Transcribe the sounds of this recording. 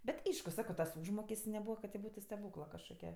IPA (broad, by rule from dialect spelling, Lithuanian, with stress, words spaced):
bʲɛtʲ ˈɐɪʃkʊ ˈsɑːkoː tɐs ˈuːʒmoːkʲɛsʲtʲsʲ nʲɛˈbuːʋɐ kɐt tʲɪ ˈbuːtʊ sʲtʲɛˈbuːklˠɐ kɐʃkoːˈkʲɛ